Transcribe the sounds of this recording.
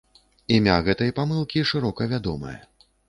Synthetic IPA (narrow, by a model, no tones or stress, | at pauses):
imʲaɣɛt̪ɐjpamɨlˠkʲiʂɨɾɔkɐvʲad̪ɔmɐ̰jɐ̰